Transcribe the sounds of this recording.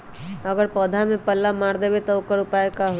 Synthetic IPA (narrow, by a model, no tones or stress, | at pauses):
əɡəɾpɔːd̪ʱamẽpəlːamaːɾd̪eːbet̪ɔʊkəɾʊpaːekaɦ